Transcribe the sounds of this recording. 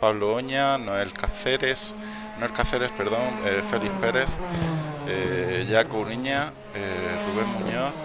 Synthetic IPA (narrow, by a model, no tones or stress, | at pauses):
paβlooɲanoelkaθeɾes | noelkaθeɾe̞speɾðo̞ŋefe̞lihpe̞ɾe̞θ | eʎakoɾiɲa | eruβ̞e̞ŋmuɲoθ